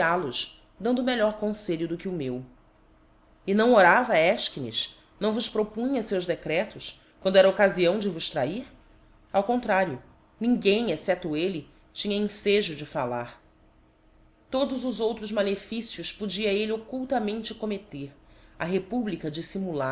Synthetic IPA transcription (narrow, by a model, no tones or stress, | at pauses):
alʊʃ | d̪ɐ̃nd̪ʊmeʎɔɾkõseʎʊd̪ʊkɪʊmew | ɪnɐ̃w̃oɾavɐɛʃkinḭʃ | nɐ̃w̃vʊspɾopũɲɐsewʒd̪ekɾɛt̪ʊʃ | kwɐ̃nd̪ʊɛɾɐokaziɐ̃w̃d͡ʒɪvʊʃt̪ɾaiɾ | awkõnt̪ɾaɾjʊ | nĩɡẽj̃esɛt̪ʊelɪ | t͡ʃĩɲɐĩseʒʊd͡ʒɪfalaɾ | t̪od̪ʊzʊzowt̪ɾʊzmalefisjʊspod͡ʒiɐeliokuwt̪ɐmẽnt͡ʃɪkomet̪eɾɐɦepublikɐd͡ʒisimula